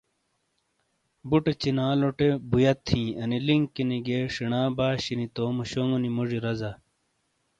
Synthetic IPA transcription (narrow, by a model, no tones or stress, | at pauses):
buʈet͡ɕinaːloʈebujɐt̪ʰːĩːɐniliŋkiniɡeːʂiɳaːbaːɕinit̪oːmuɕoŋɡonimoʐiɾɐzɐ